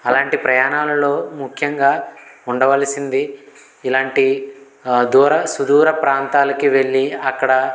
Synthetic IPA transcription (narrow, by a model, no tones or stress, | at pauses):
ɐlaːɳʈipɾɐjaːnaːlɐlo̞ːmukʰjɐŋɡaːuɳɖɐʋɐlɐsind̪iː | laːɳʈi | d̪uːɾɐsud̪uːɾɐpɾaːnt̪aːlɐkiʋe̞ɭːiɐkːɐɽɐ